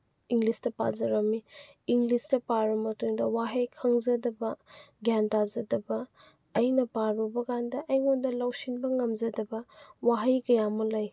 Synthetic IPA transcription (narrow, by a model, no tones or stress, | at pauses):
iŋɡlistɐpa̰zɐɾɐmi | iŋɡlistɐpaɾɐmɐtuŋdɐwaɦɐjkʰɐŋzɐdɐbɐɡjantazɐdɐbɐː | jnɐpaɾubɐkandɐʔɐjŋondɐlɐwsinbɐŋɐmzɐdɐbɐwaɦɐjkɐjamɐlɐj